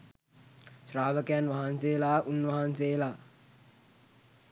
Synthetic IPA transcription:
ʃraːʋəkəjanʋaɦanseːlaːʔunʋaɦanseːlaː

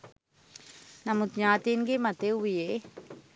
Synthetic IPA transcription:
nɐmut̪ɲaːt̪inɡemɐt̪euʋije

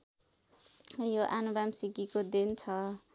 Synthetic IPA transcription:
joʔanubamsiɡikod̪ent͡sʰʌ

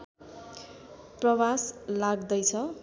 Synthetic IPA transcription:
prʌwaslaɡd̪ʌjt͡sʰʌ

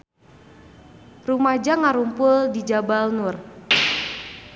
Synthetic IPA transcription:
rumad͡ʒaŋaɾumpʊldid͡ʒabalnʊr

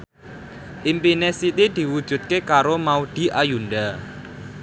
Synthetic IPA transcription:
ʔimpinɛsit̪id̪̥i̤wud̥ʒ̥ṳt̪̚kekaɾomaud̪̥i̤ʔajunɖa

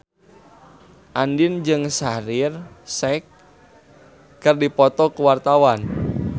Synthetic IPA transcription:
ʔandind͡ʒɨŋsaɾɪrsɛk | ɨrdipɔt̪ɔkuwart̪awan

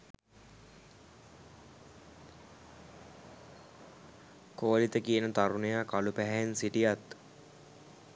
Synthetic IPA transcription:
koːlit̪əkiənət̪aɾunejaːkalupæɦɛensiʈijat̪

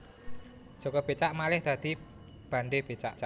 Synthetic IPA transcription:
ʒ̥ɔ̤kɔb̥et͡ʃaʔmalɪhd̪̥a̤d̪̥i̤ | b̥a̤ɳɖeb̥e̤t͡ʃa̰ʔt͡ʃa

